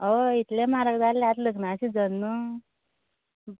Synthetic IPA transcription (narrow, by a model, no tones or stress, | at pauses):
oit̪lemaɾəkd̪allat̪ləknaːsid͡zənːə